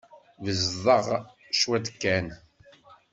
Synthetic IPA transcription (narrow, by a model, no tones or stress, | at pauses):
vəzðˤəʁ | ʃwæd̪əkːæn